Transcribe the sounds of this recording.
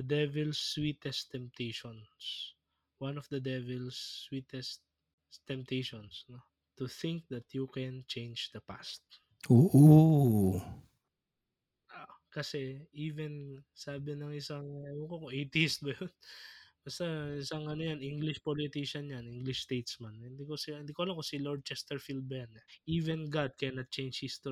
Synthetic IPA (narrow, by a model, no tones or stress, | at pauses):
d̪ɛvɛlswiːt̪ɛst̪ɛmp̚t̪ejʃons | wanɔfd̪ɐd̪ɛvɛlsːwit̪ɛst̪̚ | t̪ɛmp̚t̪ejʃonsno | t̪ʊθɪŋk̚d̪ɐt̪jukɛnt͡ʃejnd͡ʒd̪ɐpa̰st̪̚ | ʔoːʔo | aʔkɐsɛʔiːvɛnsaːbɪnɐŋʔɪsɐŋɐɐnokokoʔet̪ɪs̚bɐjonb̥ɐst̪aɪsaŋɐnojanʔiŋɡlɪʃpolɪt̪iʃɐnjanʔiŋɡlɪʃst̪ejt̪smanɪnd̪ikoshɪnd̪iːkohɐlamkosiloɹd̪̚t͡ʃɛst̪ɛɹfild̪̚bɛnʔiːvɛnɡad̪̚kɛnɐt̪̚t͡ʃẽjnd͡ʒhist̪o